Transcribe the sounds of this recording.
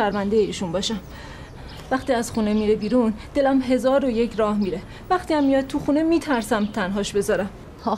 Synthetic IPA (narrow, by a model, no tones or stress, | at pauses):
æɾmænd̪ejeiːʃunbɒːʃæm | væxt̪iːæzxune̞miːɾebiːɾund̪e̞læmɦe̞zɒːɾojecʰɾɒːhmiːɾe̞ | væχt̪iæmːijɒːd̪̚t̪ʰuxunemiːt̪ʰæɾsæmt̪ʰænɦɒːʃbe̞zɒːɾæm | h